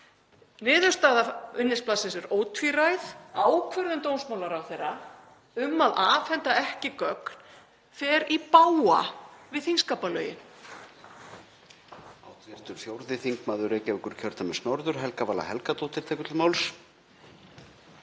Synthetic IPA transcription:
nɪːðʏ̥st̪aːðaʏnːɪsplasɪnsɛɾoːwt̪ʰviɾajθaːwkʰvœɾðʏmt̪ownsmaːwlaɾawθejrːa | ʏmːaðaːfɛnt̪aɛhcɪkœkn̥ | fɛːɾipaːwa̰vɪðθiŋskaːpalœ̰ːɥjɪ̰n | awt̪vjɛɾ̥t̪ʏɾ̥fjowɾðɪθiŋkmaːðʏɾecɛʏkʏɾ̥cʰœɾ̥t̪amɛsnɔɾðʏɾ̥ɦɛlkavaːla̰hɛlkat̪owt̪ɪɾ̥t̪ʰɛjkʏt̪ɪlmawls

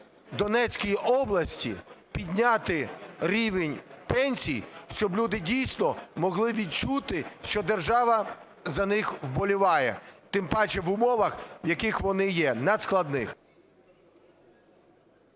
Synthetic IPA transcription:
d̪ɔnɛt͡sʲkʲijiʔɔblˠɐsʲtʲḭpʲid̪ʲnʲat̪ɪɾʲiʋenʲpɛnʲsʲijʃt͡ʃɔblʲud̪ɪdʲijsʲnɔmɔɦlˠɪʋʲid̪̚t͡ʃut̪ɪʃt͡ʃɔd̪erʒɑʋɐ | zɐnɪxwbɔlʲʊʋɑjɛ̰t̪ɪmpɑt͡ʃɛʋʊmɔʋɐxwjɐkɪxʋɔnɪjɛnɐd̪sklˠɐd̪nɪx

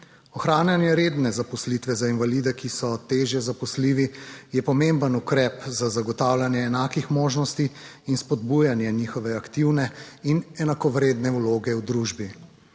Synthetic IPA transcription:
ɔxɾaːnjanjɛɾeːd̪nɛzapɔslit̪ʋɛzainvalid̪ɛkisɔt̪eːʒjɛzapɔsliːʋijɛpɔmembənukɾɛpzazaɡɔt̪awlanjɛːnaːkixmoːʒnɔst̪i | inspɔd̪̚bujanjɛniːxɔʋɛakt̪iwnɛinɛnakɔʋɾeːd̪nɛuloːɡɛuwd̪ɾuʒbi

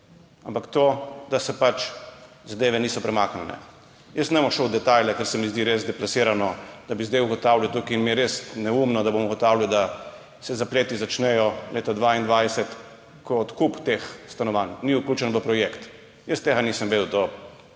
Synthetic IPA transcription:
ampakt̪od̪asɛpat͡ʃ | zad̪eːʋɛniːsɔpɾɛmaːknɛnɛ̰ | jəst̪nɛmɔʃɔwd̪ɛt̪ajlɛkɛɾsɛmizd̪iɾeːzd̪ɛplasiːɾanɔd̪̥abizd̪ejuɡɔt̪awlʲjawt̪ukiːnmiɛɾesnɛumnɔd̪abomuɡɔt̪aːwlʲawd̪a | sɛzapleːt̪izat͡ʃnɛjɔlʔeːt̪ad̪ʋaind̪ʋajsɛt̪ | kʰɔːt̪kupt̪exst̪anɔʋanːiukluːt͡ʃɛnʋəpɾɔjekt̪ | jəst̪eːɡaniːsəmʋed̪wt̪o

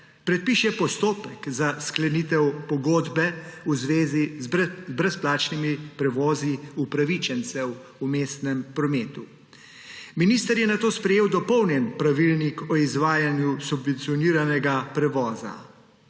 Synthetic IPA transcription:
pɾɛt̪̚piʃɛpɔst̪oːpɛkzasklɛnit̪ɛwpɔɡoːd̪bɛuzʋeːzizzbɾɛsplaːt͡ʃnimipɾɛʋɔːziupɾaʋit͡ʃɛnt̪sɛw | umeːst̪nɛmpɾɔmeːt̪u | miniːst̪əɾjɛnat̪oːspɾɛjeːwd̪ɔpɔwnjɛnpɾaʋilnikɔizʋaːjanjusubʋɛnt̪siɔniːɾanɛɡapɾɛʋɔːza̰

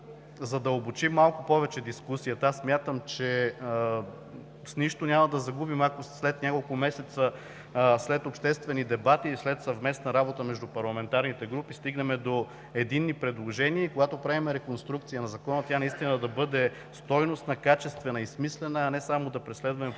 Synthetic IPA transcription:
zɐd̪ɐobot͡ʃimːalˠkʊpɔvɛt͡ʃɛd̪iskusijət̪asmʲjat̪əmt͡ʃɛ | sniʃt̪onʲamɐd̪ɐzɐɡubimakoslɛt̪nʲakolˠkʊmɛsɛt̪sə | slɛt̪opʃt̪ɛst̪vɛnid̪ɛbat̪islɛt̪sɐvmɛsnɐɾabot̪əmɛʒd̪upɐɾlˠɐmɛnt̪aɾnit̪ɛɡɾupist̪iɡnɐmɛd̪o | ɛd̪inːipɾɛd̪lˠoʒɛniəikoɡat̪opɾavimɛɾɛkonst̪ɾuk̚t̪sijənɐzɐkɔnət̪ʲjanɐist̪inəd̪ɐbɤd̪ɛ | st̪ɔjnost̪nɐkat͡ʃɛst̪vɛnɐismislɛnəːnɛsamod̪ɐpɾɛslɛd̪vɐmɛ

